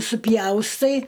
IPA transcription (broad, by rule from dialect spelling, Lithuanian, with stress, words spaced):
sʊˈpʲjɛʊstɐɪ